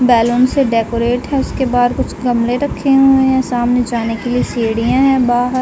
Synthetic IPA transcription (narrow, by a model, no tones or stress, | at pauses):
bɛːlõːnseɖeːkoɾeːʈɦɛʊskebaːd̪kʊt͡ʃʰɡɐmleɾɐkʰːeɦuẽɛ̃saːmned͡ʒaːnekelieseːɽijãɦɛ̃ːbaːɦəɾ